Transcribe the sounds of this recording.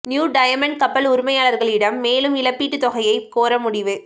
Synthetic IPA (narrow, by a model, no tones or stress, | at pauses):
njuːɖɐjɐmɐɳɖkɐpːɐlʊɾʊmɐjaːlɐɾɣɐɭɪɽɐmːeːlɯmɪlɐpːiːʈːɯt̪ɔɣɐjɐɪkoːɾɐmʊɽɪʋɯ